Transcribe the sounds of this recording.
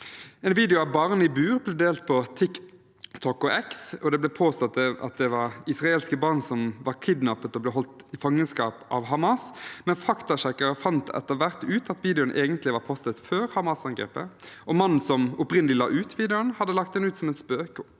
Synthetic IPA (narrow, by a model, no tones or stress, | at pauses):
ɛːnʋiːd̪ɛʊɑʋbɑʁnɪbʉːʁblɛd̪eːlt̪̚pʰɔt̪ʰɪk | t̪ʰɔkːɔʔɛksɔd̪ɛblɛpʰoːst̪ɑt̪ɛɑ̰t̪̚d̪ɛʋɑɾɪsʁɑeːlskəbɑʁnsɔmʋɑʁkʰɪd̪nɑpət̪ɔblɛɦɔlt̪ɪfɑŋːənskɑːpʔɑ̰ːʋɦɑmɑsmɛnfɑkt̪ɑʃɛkəɾəfɑnt̪ɛ̰t̪ːəɾʋæʁt̪ʉːt̪ɑt̪ʋiːd̪ɛʊnʔeːɡənt̪lɪʋɑːɾpʰɔst̪ət̪føːɾhɑmɑsɑŋɡɾḛːpəʔɔmɑnːn̩sɔmʊpʁɪnəlɪlɑ̰ːʔʉːt̪ʋiːd̪ɛʊnhɑd̪ːəlɑkt̪̚d̪ɛnʉːt̪sɔmɛnspøːkʊ